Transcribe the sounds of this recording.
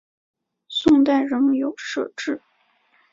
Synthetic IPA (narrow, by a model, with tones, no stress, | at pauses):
sʊ˥˧ŋt̪a˥˩ɪɻə˧˥ŋjo˨˩ʊʂɤ̰˥˧ʈ͡ʂɻ̩˥˩